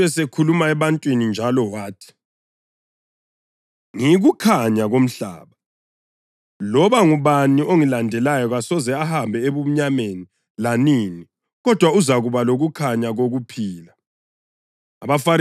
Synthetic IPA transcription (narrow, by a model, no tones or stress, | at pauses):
ɛsekʰulumaɛβantʼwinind͡ʒʱalɔwaːtʰi̥ | ŋiɣukʰaɲaɣom̩ɬa̰ːβa | lɔβaŋuβaniʔoŋilandʱɛlajɔɣasɔzɛahambʱɛeβum̩ɲameni | lanini | ɣɔd̥ʱwauzaɣuβaloɣukʰaɲaɣoɣupʰiːla | a̰βafaɾ